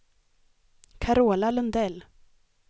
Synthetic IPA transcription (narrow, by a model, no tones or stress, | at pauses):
kʰaɾoːlalɵnd̪ɛlː